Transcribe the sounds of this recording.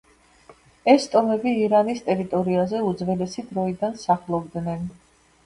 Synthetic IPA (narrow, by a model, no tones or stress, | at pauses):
ɛst̪ʼɔmɛbiːɾanist̪ʼɛɾit̪ʼɔɾiazɛud̪zvɛlɛsid̪ɾɔid̪ansaχlˠɔbd̪nɛn